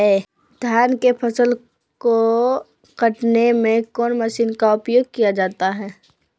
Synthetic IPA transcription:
e | d̪ʱjaːnkepʰɐsəl | ko | kɐʈnemẽkɔːnməʃiːnkaʊpjoːɡ̚kijad͡ʒaːt̪aɦɛː

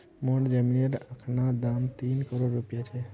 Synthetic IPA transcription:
moɖd͡ʒəminəɾəkʰnad̪amt̪inkəɾoɖɾupijat͡ʃʰɛ

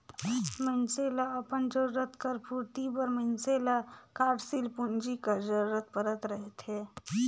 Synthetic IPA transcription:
mənselaəpənd͡ʒəɾuɾət̪kəɾpuɾt̪ibəɾmənselakaːɖsilpund͡ʒikəɾd͡ʒəɾuɾət̪̚pəɾət̪ɾəɦet̪ʰɦe

